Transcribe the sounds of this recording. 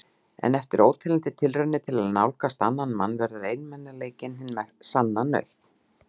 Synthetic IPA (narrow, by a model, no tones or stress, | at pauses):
ɛ̰nɛft̪ɪɾoːwt̪ʰɪlɪnt̪ɪt̪ʰɪlrœnɪt̪ʰɪlaðnawlkast̪anːanma̰nːvɛɾðʏɾejnmɛnːaleːjcɪnhɪnmɛðsanːanœ̰ɥh̪t̪